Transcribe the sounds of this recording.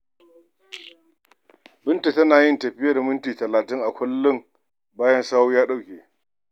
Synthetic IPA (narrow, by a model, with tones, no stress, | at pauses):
bɪ˦nta˨tɐ˦naː˨jɪ˦ntɐ˨ɸɪ˦jɐ˦˨rmʊ˦ntiː˨tɐ˨laː˨tɪ˦ŋʔa˨kʷʰʊ˦lːʊ˦ŋ | baː˦jɐ˦nsaː˦wu˦jaː˦ɗa˦wkʲeː˨